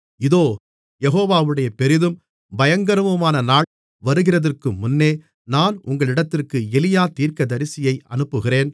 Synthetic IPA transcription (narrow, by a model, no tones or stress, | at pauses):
ɪðoː | jɛɦoːʋaːʋɯɽɐjɐpɛɾɪðɯm | bɐjɐŋɡɐɾɯʋɯmaːnɐnaːɭ | ʋɐɾɯɣɪrɐðɐrkɯmːʊnːeː | naːnʔʊŋɡɐɭɪɽɐt̪ːɪrkɯɛlɪjaːt̪iːɾkɐd̪ɐɾɪsɪjɐɪʔɐ̰nɯpːɯɣɪreːn